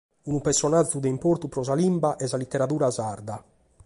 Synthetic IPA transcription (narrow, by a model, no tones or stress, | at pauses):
unupɛɾsɔnad͡ʒud̪ɛimpoɾt̪upɾɔzalimbaʔɛzalit̪ːɛɾat̪uːɾazaɾd̪a